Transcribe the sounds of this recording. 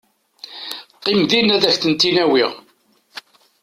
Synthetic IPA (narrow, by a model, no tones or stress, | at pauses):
qːɪmðinæðæçθənt̪inæwiʁ